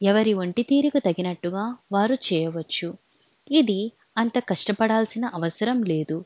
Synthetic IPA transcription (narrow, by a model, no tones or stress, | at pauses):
ɛʋɐɾiʋɐɳʈit̪iːɾikut̪ɐɡinɐʈːuɡaːʋaːɾut͡ʃɛːjɐʋɐt͡ʃːu | id̪i | ɐnt̪ɐkɐʂʈɐpɐɽaːlsinɐʔɐʋɐsɐɾɐmleːd̪u